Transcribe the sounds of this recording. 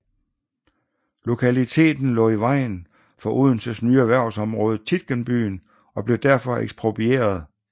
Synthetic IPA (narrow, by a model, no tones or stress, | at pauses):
lo̝kʰælit͡sʰe̝̰ːd̥n̩lɔ̰̽ːiʋɑ̈ɪ̰n | fɒ̽ʔuð̞̰ˠnsəsnyːæʋæɐ̰sɒ̽mʁɔːð̞̩ˠt͡sʰid̥̚ɡ̥ənb̥y̰ːn | ɒ̽b̥le̝d̥æɐfɒ̽ḛɡ̥sb̥ʁo̝b̥ʰie̝̰ːɐð̞ˠ